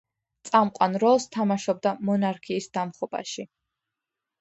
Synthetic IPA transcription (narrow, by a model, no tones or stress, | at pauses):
t̪sʼamqʼwanɾɔlˠst̪ʰamaʃɔb̚d̪amɔnaɾkʰiːsd̪amχɔbʼa̰ʃi